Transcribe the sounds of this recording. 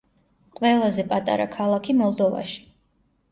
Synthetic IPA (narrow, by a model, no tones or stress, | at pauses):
qʼwɛlˠazɛpʼat̪ʼa̰ɾa̰kʰalˠakʰimɔlˠd̪ɔva̰ʃi̥